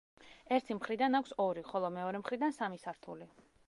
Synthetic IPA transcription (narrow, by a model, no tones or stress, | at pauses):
ɛɾt̪ʰimχɾid̪anakʷʰsɔɾiχɔlˠɔmɛɔɾɛmχɾid̪ansamisaɾt̪ʰuli